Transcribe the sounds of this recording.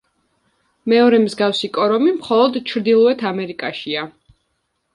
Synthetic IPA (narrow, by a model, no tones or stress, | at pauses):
mɛɔɾɛmzɡafsikʼɔɾɔmimχɔlˠɔd̪t͡ʃʰɾd̪ilˠɔɛt̪ʰamɛɾikʼaʃia